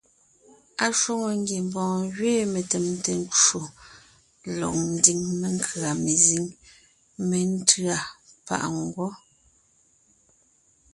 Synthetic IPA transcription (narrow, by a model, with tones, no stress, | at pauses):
a˨ʃo˦ŋo˨ŋ˦ɡje˨m˨bɔ̃ː˨ɣɥeː˦˨me˨tɛ˨mte˨n˦t͡ʃo˨ | lɔ̰˨k̚n̩˨di˨ŋme˨ŋkʰɰa˨me˨zi˨˦ŋ | me˨n̩˦tɰa˨pa̰˨ʔŋɡwɔ˦